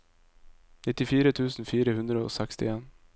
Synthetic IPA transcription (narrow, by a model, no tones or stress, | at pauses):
nɪt̪ɪfiːɾət̪ʰʉːsn̩fiːɾəhʉnd̪ɾəo̰ːsɛkst̪ɪeːn